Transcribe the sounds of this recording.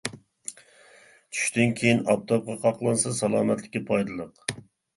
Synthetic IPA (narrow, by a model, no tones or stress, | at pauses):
t͡ʃʰy̥ʃt̪ɪnkʲʰejinɑp̚t̪ʰɑp̚qʰɑqʰɑqlˠɑnsɑsɑlˠɑːmɛt̪lɪ̥kʲipʰɑjd̪ɨlˠəq